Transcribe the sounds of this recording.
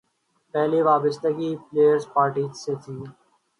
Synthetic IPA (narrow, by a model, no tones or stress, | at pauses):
pɛɦliːʋaːbəst̪əɡiːpleːjəɾzpaːɾʈiːseːt̪ʰiː